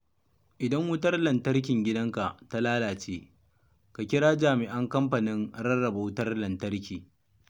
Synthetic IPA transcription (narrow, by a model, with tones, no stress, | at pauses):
ʔɪ˨dɐ˦ŋwʊ˦tɐ˦rlɐ˨ntɐ˦rk̬ʲɪ˨ŋɡʲɪ˦dɐ˦ŋka˨ʔta˦laː˦laː˨t͡ʃeː˦ | ka˨kʲɪ˦ɽaː˦d͡ʒaː˨mɪ˨ʔɐ˦ŋkɐ˦mɸa˨nɪ˦nɽɐ˦rːɐ˨ba˨wʊ˦tɐ˦rlɐ˨ntɐ˦ɽkʲiː˨